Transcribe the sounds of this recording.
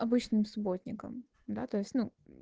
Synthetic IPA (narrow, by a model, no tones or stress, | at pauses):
ɐbɨt͡ɕnɨmsʊbo̞tʲnʲɪkə̰m | d̪a̰t̪o̞ɪsʲtʲnu